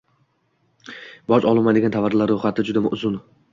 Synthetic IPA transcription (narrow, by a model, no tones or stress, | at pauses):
bɒt͡ʃɒlˠɪmad̪eɡʲant̪ʰavaɾlaɾːoχat̪ʰɪd͡ʒʊd̪aʊzʊn